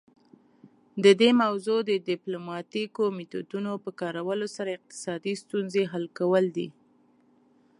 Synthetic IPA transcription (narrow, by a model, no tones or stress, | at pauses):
d̪əd̪emawzod̪ədɪplomɑt̪ikomet̪od̪unopəkɑɾawəlosaɾaɪq̚t̪ɪ̥sɑd̪ist̪unzeɦalkawəld̪ḭ